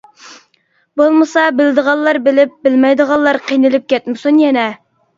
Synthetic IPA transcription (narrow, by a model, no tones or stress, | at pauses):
bolˠmɨsɑbɪld̪əʁɑlˠːɑɾbɪlɪp̚bɪlmɛjd̪əʁɑlˠːɑɾqʰijnɪlɪp̚kʲɛt̪mɪsunjɛnɛ